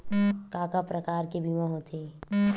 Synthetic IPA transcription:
kaːkapɾɐkaːɾkebʱimãɦot̪ʰe

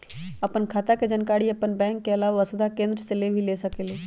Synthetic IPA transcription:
ɐpənkʰaːt̪aked͡ʒənkaːɽiɐpənbɛ̃ːŋkːeɐlaːʋaasʊd̪ʱakẽːnd̪ɾəselebʱileːsɐkeːleː

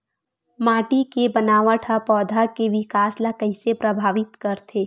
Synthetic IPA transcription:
maːʈikebɐnaːʋaʈʰapɔːd̪ʱakeʋɪkaːslakɐɪsepɾɐbʱaːʋɪt̪kɐɾt̪ʰeː

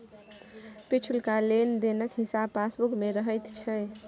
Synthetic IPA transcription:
pit͡ʃʰulkalend̪enəkɦisabpːasbukmeɾəɦəjt̪t͡ʃʰɛ

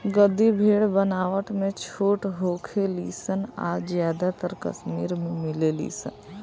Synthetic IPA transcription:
ɡəd̪ibʱeːɽbənaːʋət̪ʰmẽt͡ʃʰoːʈɦoːkʰeliːsəna̰ːzjaːd̪at̪əɾkə̰smiːɾmẽmɪlelḭːsə̰n

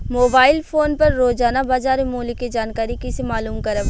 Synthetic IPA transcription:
moːbaːɪlfʰoːnpɐɾːoːzaːnabaːzaːɾemoːliked͡ʒaːnkaːɾikisemaːluːmkɐɾəb

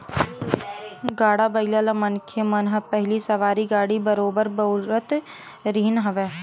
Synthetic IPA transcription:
ɡaːɽabəɪlaːlamənkʰemənɦəpɛɦlisəʋaːɾiɡaːɽibəɾoːbəɾbəʊɾət̪ | ɾiːnɦəʋeː

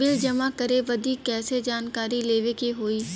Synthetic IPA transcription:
ɪld͡ʒɐmakəɾeʋəd̪ʱiːkːɛːsed͡ʒaːnkaːɾileːʋekiɦoːiː

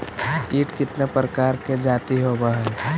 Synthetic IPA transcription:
kiːʈkɪt̪nepɾəkaːɾked͡ʒaːt̪iɦobaɦɛ

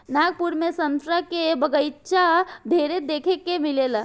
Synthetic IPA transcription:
naɡ̚puɾmesə̃nt̪ɾakebəɡəjt͡ʃad̪ʱeɾed̪ekʰekːemilela

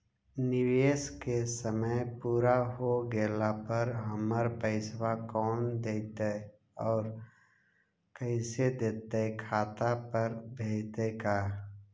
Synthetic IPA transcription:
nɪʋeːskesəməjpuːɾaɦoɡeːlapəɾɦəməɾpəɪswakɔːnd̪eːt̪e | ɔːɾ | kəɪsed̪eːt̪ekʰaːt̪apəɾbʱeːt̪ekaː

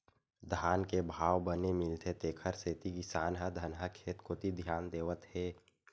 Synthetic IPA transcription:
d̪ʱaːnkebʱaːwbənemɪlt̪ʰet̪eːkʰəɾseːt̪iɡɪsaːnɦəd̪ʱənɦəkʰeːt̪kot̪id̪ʱjaːnd̪eːʋət̪ɦeː

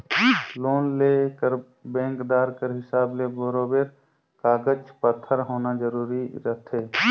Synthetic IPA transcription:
loːnlekəɾ | bɛ̃ːŋkd̪aːɾkəɾɦɪsaːbleboɾoːbeːɾ | kaːɡəd͡ʒpət̪ʰːəɾɦoːnad͡ʒəɾuːɾiɾət̪ʰeː

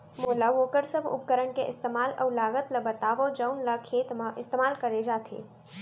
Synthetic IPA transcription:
moːlaʋoːkəɾsəbʱʊ̰p̚kəɾəɳkeʔɪst̪eːmaːlʔɐ̰wlaːɡət̪lɐbət̪aːʋod͡ʒəʊnləkʰeːt̪mãʔɪst̪eːmaːlkɐɾed͡ʒaːt̪ʰḛː

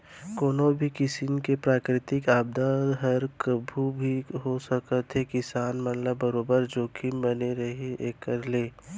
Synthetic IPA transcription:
koːnobʱikɪsɪnkepɾaːkɾɪt̪ɪkaːb̚d̪aːɾɦəɾkəbʱubʱiɦosəkət̪ɦekɪsaːnmɐt̪ləbːəɾoːbəɾd͡ʒoːkʰimbɐneɾɐɦeekːəɾleː

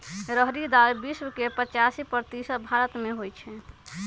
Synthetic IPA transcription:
ɾəɦɾid̪aɾbiswkepət͡ʃasipəɾt̪isət̪̚bʱaɾət̪meɦojt͡ʃʰɛ

